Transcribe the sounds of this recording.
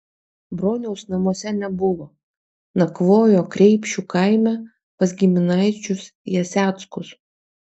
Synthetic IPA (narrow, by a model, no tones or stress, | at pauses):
bɾoːnʲɛʊsnɐmoɔsʲɛnʲɛbʊʋoː | nɐkʋoːjoːkɾʲɛɪpʲʃʲukɐɪmʲɛ | pɐsɡʲɪmʲɪnɐɪt͡ʃʲʊsjɛsʲæːt̪skʊs